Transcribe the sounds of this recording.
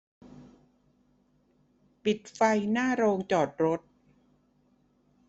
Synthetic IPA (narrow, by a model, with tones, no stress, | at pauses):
pi˨˩t̪̚fa˧jnaː˥˩ɾoː˧ŋt͡ɕɔː˨˩t̪̚ɾo˦˥t̪̚